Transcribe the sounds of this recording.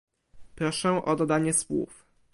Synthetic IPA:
pɾɔʂɛ̃ʔɔd̪ɔd̪aɲɛswṵf

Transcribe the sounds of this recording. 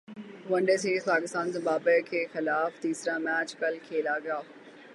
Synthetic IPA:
ʋɐ̃ɳɖeseːzpaːkɪst̪aːnzɐ̃baːpəkʰeːxɪlaːft̪iːsɾamɛːt͡ɕkɐlkʰeːlaːɡɪjaː

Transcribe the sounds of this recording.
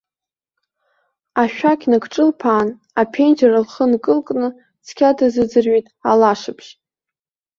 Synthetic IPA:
aʃᶣakʲʰʼnɨkʰʼʈ͡ʂʼɨlpʰaːn | apʰend͡ʒaralχənkʼɨlkʼnɨ | t͡sʰkʲʰadɨzɨd͡zɨrɥejtʼalaʂɨpʰʃ

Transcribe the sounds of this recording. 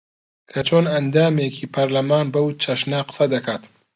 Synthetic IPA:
kʰɐt͡ʃʰoːnɐnd̪aːmeːkʰiːpʰɐɾlɐmaːnbɐwt͡ʃʰɐʃnɐqə̥sɐd̪ɐkʰaːt̪

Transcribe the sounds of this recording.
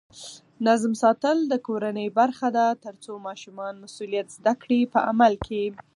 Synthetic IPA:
nazmsɑt̪əld̪əkoɾanəjbaɾxad̪at̪əɾt͡somɑʃumɑnmasulijat̪zd̪akɽipəʔa̰malkʰe

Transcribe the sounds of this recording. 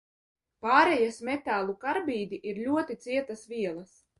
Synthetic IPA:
paːɾɛjasmɛt̪aːlˠukaɾbiːd̪ʲiʔiɾlʲuɔt̪it̪siɛt̪asvʲiɛlˠas

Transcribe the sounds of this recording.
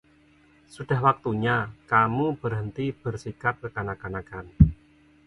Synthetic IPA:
suɖ̥a̤hwak̚t̪uɲakamub̥ərɦənt̪ib̥ərsikat̪̚kəkanakanakan

